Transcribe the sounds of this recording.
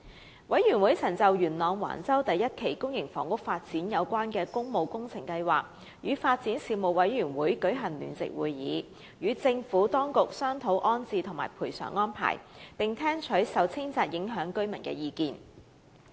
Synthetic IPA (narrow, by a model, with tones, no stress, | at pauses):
wɐ˨˥jɥyː˨˩nwuː˨˥jt͡sʰɐ˨˩ŋt͡sɐ˨wjyː˨˩nlɔː˨˧ŋwa̰ː˨˩nt͡sɐ˥wt̪ɐ˨jːɐ˥t̚kʰe˨˩jkʊ˥ŋjɪ˨˩ŋfɔː˨˩ŋkʊ˥k̚faː˧t̚t͡siː˨˥njɐ˨˧wkʷaː˥nkɛː˧kʊ˥ŋmo˨˧wkʊ˥ŋt͡sʰɪ˨˩ŋkɐ˧jwaː˨k̚ | jyː˨˧faː˧t̚t͡siː˨˥nsiː˨˧mo˨˩wwɐ˨˧˥jɥyː˨˩nwuː˨˥jkɵ˨˥ɥɦɐ˨˩ŋly̰ː˨˩nt͡sɪ̰˨k̚wṵː˨jːḭː˨˥ | jyː˨˧t͡sɪ˧ŋfuː˨˥t̪ɔː˥ŋkʊ˨k̚sœː˥ŋt̪ʰo˨˥wʔɔː˥nt͡siː˨t̪ʰʊ˨˩ŋmaː˨˩jpʰuː˨˩jsœ̰ː˨˩ŋːɔː˥npʰa̰ː˨˩jpɪ˨ŋt̪ʰɛː˥ŋt͡ʃʰɵ˨˥jsɐ˨wt͡sʰɪ˥ŋt͡saː˧t̚jɪ˨˥ŋɦœː˨˥ŋkɵ˥ɥmɐ˨˩nkɛ̰ː˧jiː˧kiː˨n